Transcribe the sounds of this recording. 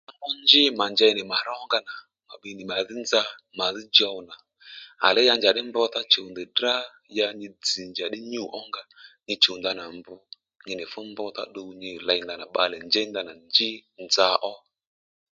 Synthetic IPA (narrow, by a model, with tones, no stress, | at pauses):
a˦ɔ˦nd͡ʒɪ˦ma˨nd͡ʒa˧jnɪ˨ma˨ɾɔ˦ŋɡa˧na˨ | ma˨ɓi˧nɪ˨ma˨ðɪ˦nd͡za˧ma˨ðɪ˦d͡ʒɔ˧˨na˨ | a̰˨lɛ˦ja˧nd͡ʒa˨ɗɪ˦mbɔ˧t̪a˦t͡ʃo˨nd̪ɛ˨dra˦ | ja˧ɲɪ˧d͡zi˨nd͡ʒa˨ɗɪ˦ɲu˦˨ʔɔ˦ŋɡa˧ɲɪ˧t͡ʃo˨nd̪a˧na˨mbʊ˧ | ɲɪ˧nɪ˨fʊ˦mbɔ˧t̪a̰˦ɗo˧ɲɪ˧˨la˧jnɡa˧˨na˨ɓa˧lɛ˨nd͡ʒɛ˦nd̪a˧na˨nd͡ʒɪ˦nd͡za˧ʔɔ˦